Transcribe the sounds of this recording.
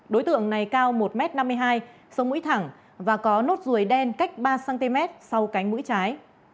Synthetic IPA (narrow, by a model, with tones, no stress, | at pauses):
ɗo˨˦jt̪ɨ̰˧˨əŋna˨˩jkaː˧wmo˨˩t̚mɛ˦˥t̚na˧mːɨ˧əjɦaː˧j | sə˨˦wŋ͡mmṵ˧˥jt̪ʰa˧˩ŋ | vaː˨˩kɔ˨˦no˦˥t̚zu˨˩əjɗɛ˧nka˦˥jk̟̚ɓaː˧saː˧nt̪i˧mɛ˦˥t̚sa˧wka˨˦jŋ̟mṵ˧˥jt͡ɕaː˨˦j